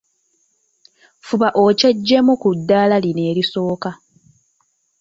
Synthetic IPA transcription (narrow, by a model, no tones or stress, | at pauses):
fuβaʔoce̞ɟːe̞mukudːaːlaline̞ːliso̞ːka